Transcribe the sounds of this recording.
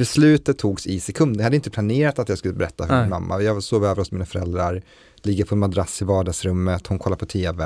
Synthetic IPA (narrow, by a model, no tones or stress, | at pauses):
b̥ɛslʉ̟ːt̪ət̪ʰːuːɡsɪsɛkʰɵnd̪əhad̪əɪnt̪əplaneːɾat̪at̪jɑːɡskɵlːəbɛɾɛt̪ːahœɪnma̰mːa̰jɑːɡsoːvøːvəɾɔsmiːnafœɾɛld̪ɾaɾ | lɪɡːəɾpʰɔɛnmad̪ɾasːɪvɑːɖɑːɡsɾɵmːət̪hʊnkʰɔlːaɾpʰɔt̪ʰeːvɛ